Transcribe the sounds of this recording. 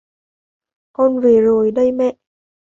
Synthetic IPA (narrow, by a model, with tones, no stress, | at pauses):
kɔ˧nve˨˩zo˨˩jɗə˧jmɛ̰˧˨ʔ